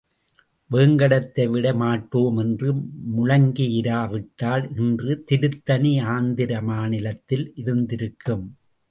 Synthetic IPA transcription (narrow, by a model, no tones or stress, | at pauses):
ʋeːŋɡɐɽɐt̪ːɐɪʋɪɽɐɪmaːʈːoːmɛndrɯmʊɻɐŋɡɪjɪɾaːʋɪʈːaːlɪndrɯt̪ɪɾɯt̪ːɐniaːnd̪ɪɾɐmaːnɪlɐt̪ːɪlʔɪɾɯnd̪ɪɾɯkʰːɯm